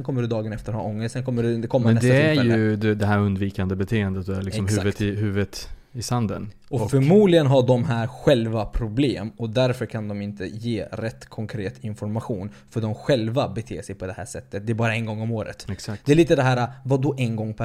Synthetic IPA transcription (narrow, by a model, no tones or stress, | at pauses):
ɛnkʰɔmːəɖɵd̪ɑːɡənɛft̪əɾɔɾhɑ̰ːʔɔŋːəssɛnkʰɔmːəɖɵkʰɔmːɛsd̪ɛæɾjɵd̪ɛd̪ɛɦæɾɵnd̪viːkand̪əbɛt̪ʰeːənd̪ət̪d̪ɛælɪkɔmhʉvət̪hʉ̟ːvət̪ | ɪsand̪ə̰n | ɔɔfœɾmuːd̪lɪɡənɦaɖɔmɦæːɾɧɛlvapʰɾʊbleːmɔd̪æɾfœɾkʰand̪ɔmɪnt̪ʰə̰jeːɾɛt̪ːkʰɔŋkʰɾeːt̪ɪnfɔɾmaɧuːn | fœɖɔmɧɛlvabɛt̪ʰḛːʂɛjpʰɔd̪ɛhæ̰ːʂɛt̪ːət̪̚d̪ɛːbɑːɾaɛnɡɔŋːɔmoːɾə̰t̪ɛksakd̪ɛæliːt̪əd̪ɛɦæːɾavad̪ɔʔɛnɡɔŋːpʰæ